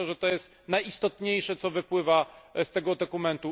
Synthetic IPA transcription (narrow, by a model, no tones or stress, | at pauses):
ɛʐɛt̪ɔjɛst̪ | najist̪ɔt̪ɲejʂɛt̪sɔvɘpwɘvast̪ɛɡɔd̪ɔkumɛnt̪u